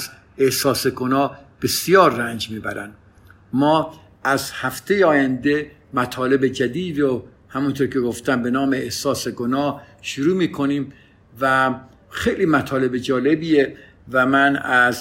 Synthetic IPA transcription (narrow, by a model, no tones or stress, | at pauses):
z | e̞hsɒːse̞ɡonɒːb̥esijɒːɾːænd͡ʒmiːbæɾæ̰nd̪ | mɒː | æzhæft̪ʰe̞jeɒːjænd̪e̞ | mæt̪ʰɒːle̞bed͡ʒæd̪iːd̪ɾo | hæmunt̪oɾkʰeɡoft̪æmbe̞nɒːme̞ːhsɒːseɡonɒːʃuɾuːmiːkʰo̞niːm | væ | xe̞jliːmæt̪ʰɒːle̞bed͡ʒɒːle̞biːe | væmænæz